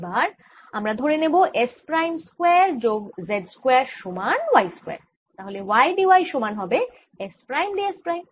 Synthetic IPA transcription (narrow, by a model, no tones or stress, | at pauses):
baɾ | amɾad̪ʱoɾeneboʔespɾajmskweɾd͡ʑoɡzeɖskweaɾʃomanwajskoḛɾ | t̪aɦolewajɖiwajʃomanɦɔbe | espɾajmɖiespɾajm